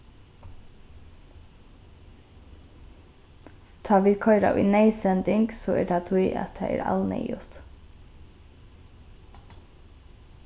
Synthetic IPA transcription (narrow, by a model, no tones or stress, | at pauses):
t̪ʰɑːʋɪlkʰɔʏɾa̰ʔʊ̰jnɛjsɛnt̪ɪŋksɔɛɹʈ̪ʰat̪ʰʊjʔa̰t̪ʰa̰ɛ̰ɾa̰lnɛ̰jʊt̪